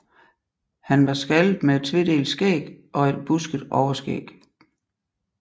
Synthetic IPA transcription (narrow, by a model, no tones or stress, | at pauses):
hænʋɑ̈sɡ̥æld̥mee̝d̥t͡sʰʋe̝d̥e̝̰ːlsɡ̥ḛːɡ̥ʔɒ̽e̝d̥̚b̥usɡ̥ð̩ˠɒʊɐsɡ̥ḛːɡ̥